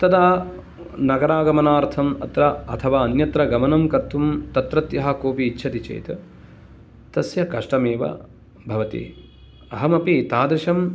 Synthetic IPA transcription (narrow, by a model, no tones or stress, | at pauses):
t̪ɐd̪aː | nɐɡɐɾaːɡɐmɐnaːɾt̪ʰɐmɐ̰t̪ɾɐɐt̪ʰɐʋaːɐnjɐt̪ɾɐɡɐmɐnɐmkɐɾt̪ʰːumt̪ɐt̪ɾɐt̪jɐɦɐ̆koːpiːtːʃʰɐt̪it͡ʃḛjt̪ɐ | t̪ɐsjɐkɐʂʈɐmeːʋɐ̰ | bʱɐʋɐt̪ḭ | ɐɦɐmɐpit̪aːd̪ɾɪʃɐm